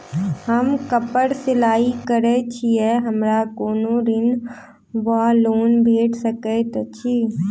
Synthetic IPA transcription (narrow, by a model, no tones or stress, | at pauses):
həmkəpəɽsɪlaːikəɾet͡ʃʰiɛɦəmɾakoːnoɾɪn | ʋəɦloːnbʱeːʈʰsəket̪ːt͡ʃʰiː